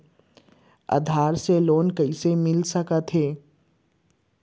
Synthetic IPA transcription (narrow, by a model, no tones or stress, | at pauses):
a̰d̪ʱaːɾseloːnkəisemɪlsəkət̪ɦeː